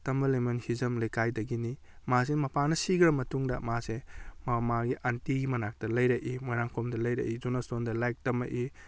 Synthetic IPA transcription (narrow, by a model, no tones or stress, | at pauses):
tɐmbɐlemɐnhizɐmlejkajdɐɡini | mas̬inmɐpanɐsiɡɾɐmɐtuŋdɐmasemɐmaɡiʔantiɡimɐnak̚tɐlɐjɾɐʔimojnaŋkʰomdɐlɐjɾɐ̰ʔizunasondɐlajk̚tɐmɐ̰ʔi